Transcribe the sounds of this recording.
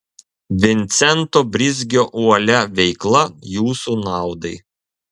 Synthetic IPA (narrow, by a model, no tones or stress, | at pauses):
ʋʲɪnʲt̪sʲɛnt̪oːbʲɾʲɪzʲɡʲoːʔuɔlʲɛʋʲɛɪklˠɐjuːsuːnɑˑʊd̪ɐɪ